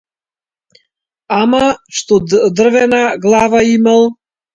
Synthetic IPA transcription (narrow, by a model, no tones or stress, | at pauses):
amaʃt̪od̪ərvɛnaɡlˠavaiməlˠ